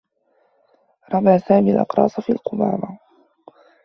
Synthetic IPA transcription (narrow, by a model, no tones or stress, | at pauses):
ɾˤɑbaːsaːmiːlʔɑ̰qɾˤɑ̰ːsˤfiːlqʊma̰ːɾa